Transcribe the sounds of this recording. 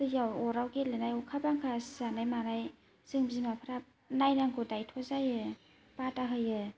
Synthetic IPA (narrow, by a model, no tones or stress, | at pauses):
sɯjawɔɾawɡelenajɔkʰabaŋkʰaszanajmanaj | sɯŋbzimapʰɾap̚ | najnaŋɡɔdajtʰɔzajɯ | pataɦɯjɯ